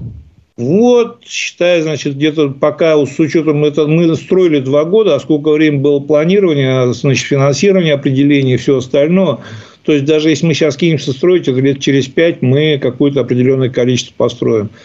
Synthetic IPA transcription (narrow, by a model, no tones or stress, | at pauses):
vot̪̚ɕːɪ̥t̪ajʊznat͡ɕɪt̪̚ɡ̚dʲe̞t̪əpɐkavot̪sʊt͡ɕo̞t̪əmɛt̪əmɨst̪ɾo̞ɪlʲɪd̪vaɡo̞d̪əːsko̞lʲk̬əvɾʲemʲəbɨlˠəplˠɐnʲiɾəvənʲɪjəznat͡ɕɪt̪fʲɪnɐnsʲiɾəvənʲɪjəɐpɾʲɪdʲɪlʲenʲɪjəfsʲɵɐst̪ɐlʲno̞jə | t̪oɪsʲt̚ʲd̪aʐɨjesʲlʲɪmɨɕaskʲinʲɪmsʲəst̪ɾo̞jɪtʲɛt̪əlʲe̞t̪̚t͡ɕɪɾʲɪspʲæt̚ʲmɨkɐkujʊt̪əɐpɾʲɪdʲɪlʲo̞nːəjəkɐlʲit͡ɕɪst̪v̥ə̥pɐst̪ɾo̞jɪm